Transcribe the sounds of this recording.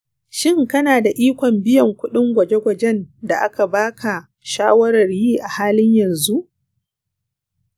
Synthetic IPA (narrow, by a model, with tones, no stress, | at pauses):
ʃɪ˦˨ŋkɐ˦naː˨da˨ʔiː˦kʷɔ˨mbɪ˦jɐ˨ŋkʷʊ˦ɗɪ˦ŋɡʷɐ˨d͡ʒe˦ɡʷɐ˨d͡ʒɛ˦nda˨ʔa˦ka˨baː˦kʰa˨ | ʃaː˦wɐ˦ɾɐ˨rjiː˦ʔa˨haː˦lɪ˦ɲjɐ˨nzu˦ʔ